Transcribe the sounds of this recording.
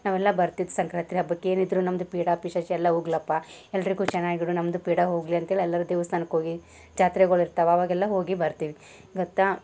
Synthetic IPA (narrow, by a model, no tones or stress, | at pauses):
naːʋɛlːɐbɐɾt̪id̪usɐŋkɾaːt̪ɾiɦɐbɐkːeeːnid̪ɾunɐmɐd̪upiːɽapiʃɐʃɛlːɐɦuɡlɐpːaɛlːɐɾiɡuːt͡ʃɛnːaːɡiɽunɐmɐd̪upiːɽaɦoːɡliɐnt̪ɦeːɭiɛlːɐɾud̪eːʋɐst̪ʰaːnɐkːɦoːɡi | d͡ʒaːt̪ɾeɡɐɭiɾt̪aːʋɐʋaːɡɛlːɐɦo̞ːɡibɐɾt̪iːʋi | ɡɔt̪ːa